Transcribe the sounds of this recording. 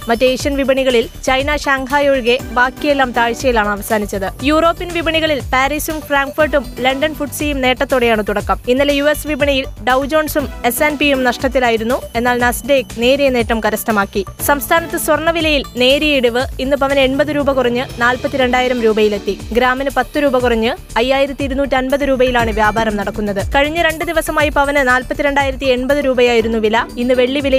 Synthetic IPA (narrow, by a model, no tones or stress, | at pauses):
mɐtːɨejʂɐnʋibɐɳiɣɐɭilt͡ɕɐjnaɕaːŋkaːjoːɻɣe̞baːkːijelːaːmt̪aːɻt͡ɕːɐjilaːɳɨɐʋɐsaːnit͡ɕːɐðɨjuːro̞ːpːinʋibɐɳiɣɐɭilpaːɾisumfraːŋkfɐrʈːumlɐɳɖɐnfuʈsijumne̞ːʈːɐt̪ːo̞ːɽejaːɳɨt̪uɽɐkːɐminːɐlejue̞sʋibɐɳɐjilɖɐwd͡ʑo̞ːɳsume̞senpijumnɐʂʈɐt̪ːilaːjiɾunːue̞nːaːlnɐsɖeːkne̞ːɾijɐne̞ːʈːɐmkɐɾɐsnɐmaːkːisɐmst̪ʰaːnɐt̪ːɨsʋɐrɳːɐʋilɐjilne̞ːɾijiɽuʋɨinːɨpɐʋɐne̞ɳbɐðɨɾuːbɐkurɐɲːɨnaːlpɐt̪ːiɾe̞ɳɖaːjiɾɐmɾuːbɐjile̞t̪ːiɡɾaːmɐnɨpɐt̪ːɨɾuːbɐkurɐɲːɨ | ɐjːaːjiɾɐt̪ːiiɾunuːtːɨɐnbɐðɨɾuːbɐjilaːɳɨʋjaːbaːɾɐmnɐɽɐkːunːɐðɨkɐɻiɲːɨɾe̞ɳɖɨd̪iʋɐsɐmaːjipɐʋɐnɨnaːlpɐt̪ːiɾe̞ɳɖaːjiɾɐt̪ːie̞ɳbɐðɨɾuːbɐjaːjiɾunːuʋilɐinːɨʋe̞ɭːiʋilɐ